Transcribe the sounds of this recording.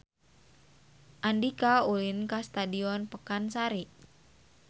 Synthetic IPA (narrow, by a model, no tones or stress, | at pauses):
ʔandikaulinkast̪adiɔnpəkansaɾi